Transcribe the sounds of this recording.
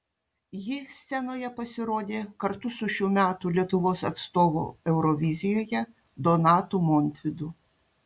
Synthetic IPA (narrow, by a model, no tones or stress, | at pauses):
jixsʲt͡s̪ʲɛnɔjɛpɐsʲɪɾɔd̪ʲɛkɐɾt̪ʊsʊʃʲʊmʲat̪ʊlʲit̪ʊʋɔsɐt̪st̪ɔʋɔ̰ɛwɾɔʋʲizʲijɔjɐ | d̪ɔnɑt̪ʊmɔnt̪ʲʋʲid̪ʊ